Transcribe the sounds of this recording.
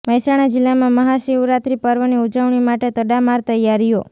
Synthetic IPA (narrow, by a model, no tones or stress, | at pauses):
məɦjsaɽ̃ad͡ʒɪlːamãməɦaʃiwɾat̪ɾipəɾʋəniud͡ʒəʋɳimaʈet̪əɖamaɾt̪əjaɾijo